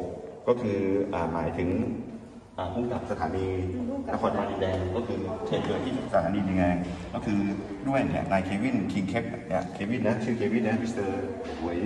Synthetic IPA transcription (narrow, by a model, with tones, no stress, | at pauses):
kɔː˥˩kʰɯː˧ʔaː˨˩ma̰ː˩˦jt̪ʰɯ˩˦ŋ | ʔaː˨˩kʰu˧˥˩ŋka˨˩p̚sa˧t̪ʰaː˩˦niː˧na˦˥kʰɔː˧nmaː˧li˧dɛː˧ŋkɔː˥˩kʰɯː˧t͡ɕʰa˦˩t̪u˧k̪ʰiː˥˩˨sa˧t̪ʰaː˩˦niː˧ni˧˩ŋlɛː˧ŋkɔː˥˩kʰɯː˧ | du˥˩əjnḭ˧˩naː˧jkʰeː˧wi˥˩nkʰi˧ŋkʰe˦˥p̚ni˦˥˩kʰeː˧wi˥˩na˦˥t͡ɕʰɯː˥˩kʰeː˧wi˥˩nna˦˥wi˥st̪ɤː˧ | u˨˩˦əj